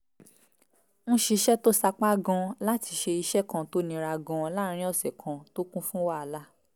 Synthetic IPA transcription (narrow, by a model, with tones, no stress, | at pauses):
ñ̩˦ʃi˧ʃɛ˦to˦sa˧k͡pa˦ɡɔ̃˧la˦ti˧ʃe˧i˧ʃɛ˦kã˧to˦nĩ˧˦ɾa˧ɡɔ̃˧la˦ɾ̃ĩ˦ɔ˦˨sɛ˨kʰã˧to˦kũ˦fũ˦wa˦˨a˧la˦